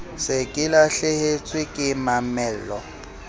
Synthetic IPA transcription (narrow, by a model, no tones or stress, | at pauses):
sɪkʼɪlaɬɪhet͡sʼwɪkʼɪmamɛːllɔ